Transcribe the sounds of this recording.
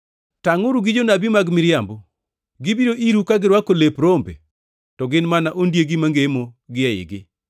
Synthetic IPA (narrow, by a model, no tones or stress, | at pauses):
taŋʊɾuɡid͡ʒonabimaɡmɪɾjambɔ | ɡɪbiɾoʔiɾukaɡɪɾwakolepɾombḛ | tɔɡɪnmanaʔondjeɡimaŋɡemoɡɪɛɪ̰ɡɪ